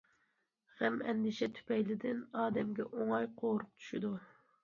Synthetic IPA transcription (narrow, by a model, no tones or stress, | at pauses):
ʁɛmɛ̰nd̪ɪʃɛt̪ʰy̥pɛjlɪd̪ɪnɑːd̪ɛmɡʲɛʔoŋɑjqʰoɾʊq̚t͡ʃʰy̥ʃid̪u